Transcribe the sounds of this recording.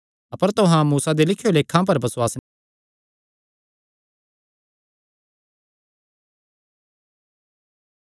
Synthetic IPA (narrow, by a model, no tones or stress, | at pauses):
ɐpəɾt̪ʊɦãmuːsad̪elɪkʰːjoleːkʰːãp̬ɐɾbɐswaːsn